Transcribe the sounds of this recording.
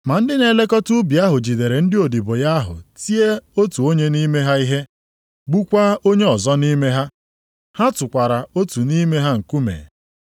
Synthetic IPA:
ma˨n̩˦dɪ˦ne˨le˦kɔ˦tu˦bi˨a˦ɦʊ˨d͡ʒi˨de˨ɾe˨n̩˦dɪ˦o˨di˨bo˨ja˦ɦʊ̰˨ti˦e˦o˦tu˨o˦ɲe˦ni˦me˦ɦa˦i˦ɦe˦ | ɡ͡bu˦kʷa˦o˦ɲe˦ɔ˨zɔ˦ni˦me˦ɦa˦ | ha˦tʊ˨kʷa˨ɾa˨o˦tu˨ni˦me˦ɦa˦ŋ̩˨ku˦mḛː˨

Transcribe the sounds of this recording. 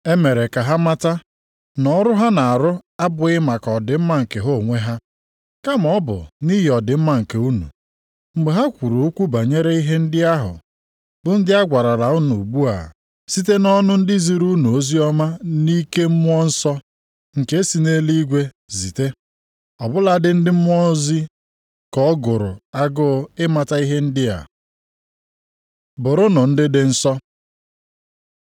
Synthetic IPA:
e˦me˨ɾe˨ka˨ɦa˦ma˦ta˦ | nɔ˨˦ɾʊ˦ɦa˦na˨a˨ɾʊ˦a˦bʊ˨ɪ˦ma˨kɔ˨dɪ˨m̩˦ma˦ŋ̩˨ke˨ɦo˦˨ŋʷe˦ɦa˦ | ka˦m˨ɔ˦bʊ̰˨ni˦ɦi˨ɔ˨dɪ˨m̩˦ma˦ŋ̩˨ke˨u˦nṵ˨ | ŋ͡m̩˨ɡ͡be˨ɦa˦kʷu˨ɾo˨u˦kʷu˦ba˨ɲe˦ɾe˦i˦ɦe˦n̩˦dɪ˦a˦ɦʊ̰˨ | bʊ˨n̩˦dɪ˦a˦ɡʷa˨ɾa˨la˨u˦nu˨ɡ͡bu˦a̰˨ | si˦t̬e˦nɔ˦nʊ˦n̩˦dɪ˦zi˨ɾu˦nu˨o˦zi˦ɔ˦ma˦ni˦ke˦m̩˦mʊ˦ɔ˦n̩˦sɔ˦ | ŋ̩˨ke˦si˨ne˦li˦ɡʷe˦ | zi˨te˦ | ɔ˨bʊ˦la˦dɪ˦n̩˦dɪ˦m̩˦m˦ɔ˦zi˦ | kɔ˦ɡʊ˨ɾʊ̰˨a˦ɡʊ˦ɪ˦ma˦ta˦i˦ɦe˦n̩˦dɪ˦a̰˨ | bʊ˨ɾʊ˦nʊ˨n̩˦dɪ˦dɪ˦n̩˦sɔ˦

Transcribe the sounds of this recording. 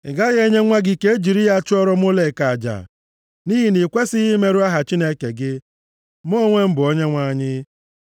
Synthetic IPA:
ɪ˨ɡa˦ɣe˦ɲe˦ŋʷa˦ɡɪ˦ke˦e˦d͡ʒi˨ɾi˦ɣa˦t͡ʃʊ˦ɔ˦ɾɔ˦m˦o˦le˨ka˨d͡ʒa̰˨ | ni˦ɦi˨ni˨kʷe˦sɪ˦ɣi˦me˦ɾʊ˦a˦ɦa˨t͡ʃi˦ne˦ke˨ɡɪ˦ | mo˦ŋʷe˦m̩˦bʊ˨o˦ɲe˦ŋʷa˦˨ɲɪ˦

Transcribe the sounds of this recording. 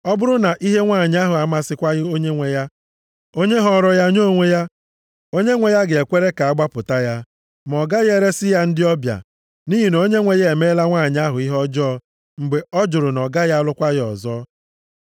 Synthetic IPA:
ɔ˦bʊ˦ɾʊ˦na˨ʔi˦ɦe˦ŋʷa˦˨ɲ˦a˦ɦʊ˨a˨˦ma˦sɪ˦kʷa˦ɣɪ˦o˦ɲe˦ŋʷe˨ja˦ | o˦ɲe˦ɦɔ˦˨ɾɔ˦ja˦ɲo˦˨ŋʷe˦ja˦ | o˦ɲe˦ŋʷe˨ja˦ɡe˨e˨kʷe˦ɾe˦ka˨a˦ɡ͡ba˦pʊ˨ta˦ja˦ | m˨ɔ˨ɡa˦je˦ɾe˦sɪ˦ja˦n̩˦dɪ˦ɔ˦bja̰˨ | ni˦ɦi˨no˨˦ɲe˦ŋʷe˨je˨me˦la˦ŋʷaː˦˨ɲ˦a˦ɦʊ˨i˦ɦɔ˦d͡ʒɔ˦ | ŋ͡m̩˨ɡ͡be˨ɔ˦d͡ʒʊ˨ɾʊ˨nɔ˨ɡa˦ja˦lʊ˦kʷa˦ɣɪ˦ɔ̰˨zɔː˦

